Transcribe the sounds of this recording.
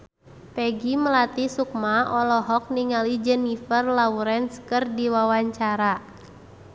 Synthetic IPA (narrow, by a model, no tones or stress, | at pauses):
pɛɡiməlat̪isuk̚maɔlɔɦɔk̚niŋalid͡ʒɛnifərlauɾɛnskərdiwawaɲt͡ʃaɾa